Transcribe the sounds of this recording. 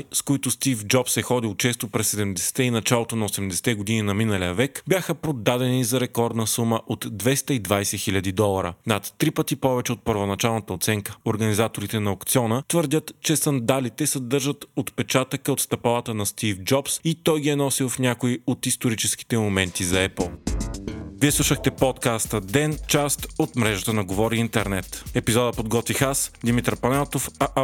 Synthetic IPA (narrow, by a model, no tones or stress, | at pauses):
skoit̪ʊst̪ifd͡ʒɔpsɛxɔd̪ilˠt͡ʃɛst̪opɾɛsːɛd̪ɛmd̪ɛsɛ̥t̪ɛinɐt͡ʃalˠot̪onɐosɛmd̪ɛsɛ̥t̪ɛɡod̪ininɐminəlijəvɛkbʲjaxəpɾod̪ad̪ɛnizɐɾɛkɔɾd̪nəsuməʔot̪d̪vɛst̪əid̪vajsɛxilʲɐd̪id̪ɔlˠɐɾə̰nɐt̪ːɾipət̪ipɔvɛt͡ʃɛot̪̚pəɾvonɐt͡ʃalˠnət̪əot̪sɛŋkəoɾɡɐnizat̪oɾit̪ɛnɐokt̪siɔnət̪vəɾd̪ʲət̪t͡ʃɛsɐnd̪alit̪ɛsɐd̪ɤɾʒət̪ot̪pɛt͡ʃat̪əkəot̪st̪ɐpalˠət̪ənɐst̪ifd͡ʒɔpsit̪ɔjɡiɛnɔsilˠfnʲjakoiot̪ist̪oɾit͡ʃɛsk̟i̥t̪ɛmomɛnt̪izɐɛpl̩ˠ | viɛslˠuʃəxt̪ɛpɔt̪kast̪əd̪ɛnt͡ʃast̪ot̪mɾɛʒət̪ənɐɡovɔɾiint̪ɛɾnɛt̪ɛpizɔd̪əpod̪ɡɔt̪vixasd̪imit̪ɾɐpɐnɛlˠt̪ofɐʔ